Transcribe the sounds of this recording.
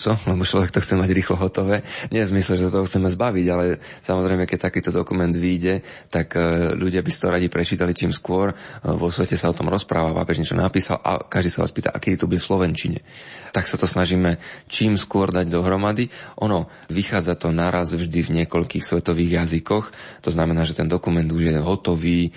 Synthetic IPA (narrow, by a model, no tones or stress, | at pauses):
t͡sɔlɛbɔt͡ʃlɔʋɛk̚t̪ɔxt͡sɛmaɟɾiːxlɔɦɔt̪ɔʋɛːɲɛɛzmisɛlʒɛsat̪ɔɦɔxt͡sɛmɛzbaʋiɟalɛ | samɔzɾɛɪmɛkɛc̚t̪akiːt̪ɔd̪ɔkumɛnd̪ʋiɟɛ | t̪akʎuɟɪabisḁt̪ɔɾaɟipɾɛt͡ʃiːt̪alit͡ʃiːmskʊɔɾʋɔsʋɛcɛsaɔt̪ɔmɾɔspɾaːʋapa̰ːpɛʒɲɛt͡ʃɔnʔapiːsa̰lʔa̰kaʒd̪iːsaʋa̰ːspiːt̪a̰ʔa̰kɛd̪it̪ɔbuɟɛfslɔʋɛnt͡ʃiɲɛ̰t̪aksat̪ɔsnaʒiːmɛt͡ʃiːmskʊɔɾd̪aɟd̪ɔɦɾɔmad̪iʔɔnɔ | ʋixaːd͡zat̪ɔnaɾazvʒd̪ivɲɪɛkɔʎkiːxsʋɛt̪ɔʋiːɣjazikɔxt̪ɔznamɛnaːʒɛt̪ɛnd̪ɔkumɛnd̪uʒjɛɦɔt̪ɔʋiː